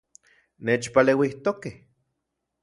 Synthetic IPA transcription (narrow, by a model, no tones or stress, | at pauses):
neːt͡ʃpaleːwiht̪okeh